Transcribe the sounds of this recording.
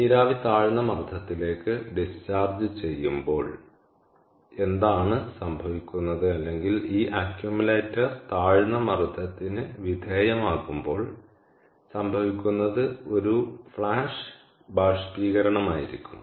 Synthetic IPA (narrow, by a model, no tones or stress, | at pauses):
niːɾaːʋit̪aːɻɨnːɐmɐrd̪ʱɐt̪ːile̞ːkːɨɖist͡ɕaːrd͡ʑɨt͡ɕe̞jːumbo̞ːɭ | e̞nd̪aːɳɨsɐmbʱɐʋikʲːunːɐðɨɐlːe̞ŋɡiliːʔakjumule̞ːtːɐrt̪aːɻnːɐmɐrd̪ʱɐt̪ːinɨʋid̪ʱeːjɐmaːɣumbo̞ːɭ | sɐmbʱɐʋikʲːunːɐðɨo̞ɾufɭaːʂ | baːʂpiːɣɐɾɐɳɐmaːjiɾikʲːunːu